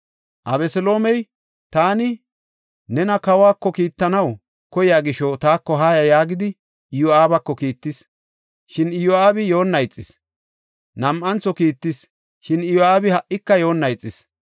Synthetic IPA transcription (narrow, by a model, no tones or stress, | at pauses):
ʔɐbɛsɔlo̞ːmɛj | t̪aːnɪ | nɛnɐkɐwaːkːɔkiːt̪ːɐnɐw | kɔjɪjaːɡɪʃɔt̪aːkːɔɦaːjɐjaːɡɪd̪ɪ | ɪjʊaːbɐkːɔkiːt̪ːɪs | ʃɪnɪjʊaːbɪjo̞ːnːɐjt͡sʼːɪs | nɐmʔɐnt͡sːɔkiːt̪ːɪs | ʃɪnɪjɔaːbɪhɐʔɪkːɐjo̞ːnːɐjt͡sʼːɪs